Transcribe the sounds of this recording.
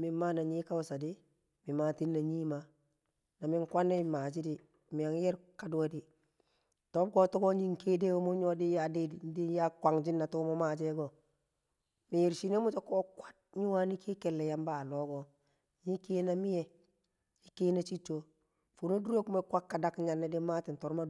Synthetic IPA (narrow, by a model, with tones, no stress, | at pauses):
mi˨˦ma˦na˨ɲi˦ka˦wsa˨di˦ | mi˨ma˨ti˦nːa˨ɲiː˦ma˨ | na˨mi˦ŋkʷa˦nːe˦˨ma˨d͡ʒi˦di˦ | mi˨ja˨ŋ˦jɛ˦ɾka˨du˨wa˦di˦ | to˦b̚ɡo˨to˦ɡo˦ɲi˦ŋke˦de˦wo˦mo˦ɲo˦di˦ja˦˨di˦di˨n˦di˦ja˦kʷa˨ŋd͡ʒi˦nːa˨tu˦mo˦ma˨d͡ʒe˦ɡo˨ | mi˨ji˨ɾʃi˨˦ne˦mu˦t͡ʃo˦ko˦kwa˦t̚ɲi˦wa˦ni˦kʰi˦kɛ˨lːe˨ja˦mba˨lo˦ɡo˦ | ɲi˦ke˦na˦mi˦je˨ | ji˦ke˦na˦t͡ʃi˦t͡ʃːo˦ | fu˨no˦du˦ɾe˦ku˦me˦kʷa˦kːa˨da˦kɲa˨nːe˦di˦ma˦ti˨n˨to˨ɾma˦